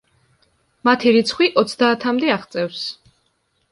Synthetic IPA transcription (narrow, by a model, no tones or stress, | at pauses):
mat̪ʰiɾit̪sʰχwiʔɔt̪sʰd̪aːt̪ʰamd̪ɛaχt̪sʼɛfs